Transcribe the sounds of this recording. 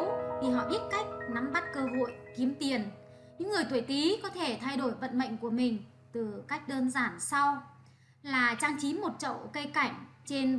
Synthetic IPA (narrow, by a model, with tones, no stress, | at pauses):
wt̪ʰi˨˩ɦɔ̰˧˨ɓi˦˥ət̚ka˦˥jk̟̚na˨˦mɓa˦˥t̚kəː˧ɦo̰˧˨jt̪ʰi˨˦mt̪i˨˩ən | ɲɨ̰˧˥ŋːɨ˨˩əjt̪ʰə˧˩jt̪i˨˦kɔ˨˦t̪ʰe˧˩t̪ʰa˧jɗo˧˩jvə̰˧˨nɓə̰˧˨jŋ̟ku˧˩əmï˨˩ŋ̟ | t̪ɨ˨˩ka˦˥jk̟̚ɗəː˧nzaː˧˩nsa˧w | laː˨˩t͡ɕa˧ŋt͡ɕi˨˦mo˨˩t̚t͡ɕə̰˧˨wkə˧jka˧˩jŋ̟t͡ɕe˧n